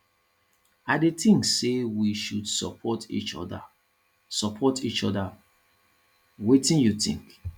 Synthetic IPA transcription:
adetĩŋksewiʃudsɔ̰pʰɔtḭt͡ʃɔ̰da̰ | sɔpʰɔtit͡ʃɔ̰da | wetĩnjutḭ̃ŋk

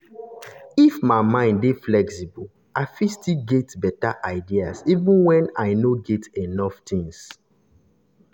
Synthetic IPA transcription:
ifmaɪmãɪ̃nddeflɛksibul | aɪfistiɡɛtbɛtaʔaɪdiasivũnwɛ̃naɪnoɡɛtenɔftĩŋs

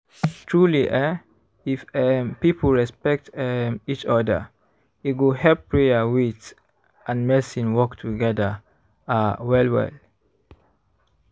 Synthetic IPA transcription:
tʰɹuliʔɛ | ifɛpipʰəlɹɛspɛk̚tɛmit͡ʃɔdə̰ | iɡohɛpːɹeəwit | ʔãnmɛsĩnwɔktʰuɡɛdə | awɛlwɛ̰l

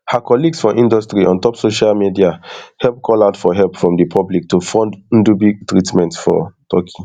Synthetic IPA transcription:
hakʰɔliɡsfɔʔĩndɔstɹiʔɔ̃ntɔpsoʃalmidiahɛlp̚kʰɔlaʊtfɔɦɛlpfɹɔ̃mdipʰɔblik̚tufɔ̃nd̩̃dubiɡtɹitmɛ̃ntfɔ̰tʰɔkʰi

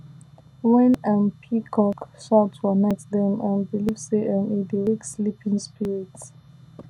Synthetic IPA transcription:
wɛ̃nãnpʰikʰɔkʃatɹɔnɛktdɛ̃mãnbilivseʔə̃nidiwekslipʰĩŋspiɹids

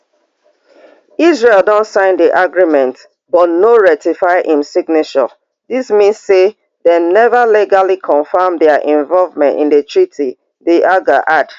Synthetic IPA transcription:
isɹelˠdɔ̃ntsãɪ̃ndiʔaɡɹimɛ̃nt | bɔtnoɹɛtifaɪʔĩmsiɡnet͡ʃɔ̰ | dismĩnsːe | denɛvəliɡalikʰɔ̃nfamdɛaʔɛ̃ɱvɔlvmɛ̃ntḭ̃ndetʰɹitʰi | deʔaɡaʔad

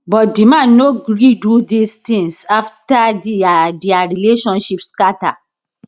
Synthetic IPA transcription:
bɔtdimãnoɡɾidudistĩŋsaftadiadiaɾileʃɔ̃nʃipskata̰

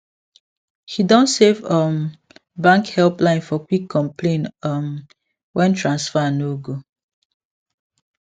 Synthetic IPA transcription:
hidɔ̃ntsevʌm | bãŋkhɛlplãɪ̃nfɔkwikʰːɔ̃mplẽnʌm | wʔɛ̃ntɹãnsfanoɡo

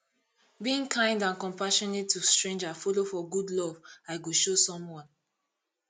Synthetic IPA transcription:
biĩŋkʰãɪ̃ndãnkɔ̃mpaʃɔnetːustɹẽnd͡ʒafɔlofɔɡudlɔvaɪɡoʃosɔ̃mwɔ̃n

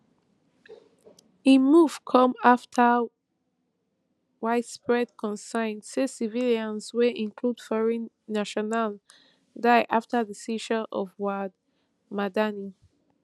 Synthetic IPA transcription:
imuv̥kʰɔ̃maftʰə | waɪtspɹɛd̚kʰɔ̃nsãɪ̃ndsesiviljãnsweʔĩŋkʰlud̥fɔɹɛ̃nːaʃɔnal | daɪʔaftʰəðəsiʃɔnʔɔvwad | madani

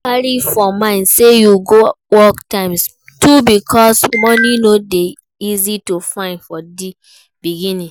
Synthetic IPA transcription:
aɹifɔmãɪ̃ndsejuɡo | wɔktãɪ̃ms | tʰubikʰɔsmɔninode | izitufãɪ̃ndfɔdi | biɡĩnĩ

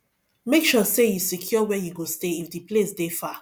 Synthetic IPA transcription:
mekʃɔsejusikʰjɔwɛjuɡosteifdiplesdefa

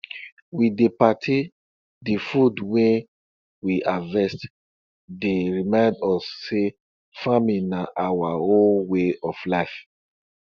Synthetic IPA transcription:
widepatʰi | difudwɛ̃ | wiʔavɛst | deɹimãɪ̃ndɔsːe | famĩnaʔawaõnweɔflaɪf

